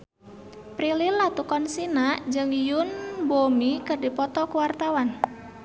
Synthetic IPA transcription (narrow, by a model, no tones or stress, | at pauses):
pɾililːat̪ukɔnsinaʔd͡ʒɨŋjʊnbomikɨrdipɔt̪ɔkuwart̪awan